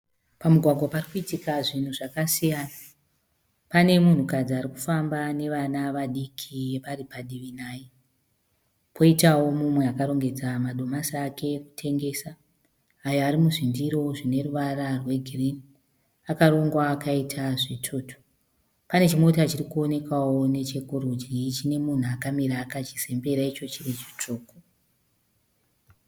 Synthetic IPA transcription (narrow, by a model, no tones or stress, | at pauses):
pamuɡʱwaɡʱwaparikuitikaʐin̤uʐakasijana | pane̞mun̤ukad͡ziaɾiku̥fambane̞ʋanaʋaɗikʰijeparipaɗiʋinaːji | pʰo̞itawo̞mumwe̞akaɾo̞ŋɡe̞d͡zamaɗo̞masaːkʰe̞ku̥tʰe̞ŋɡe̞saː | jaaɾimuʐindiɾo̞ʐine̞ruʋaɾarwe̞ɡʱirini | akaɾo̞ŋɡwaːkʰaitʰaʐitʰoːtʰo̥ | pane̞t͡ʃimo̞tat͡ʃirikuo̞ne̞kawone̞t͡ʃe̞koɾud͡ʒit͡ʃine̞mun̤uakamiɾaːkat͡ʃise̞mbe̞ɾait͡ʃo̞t͡ʃiret͡ʃi̥t͡ʂoːko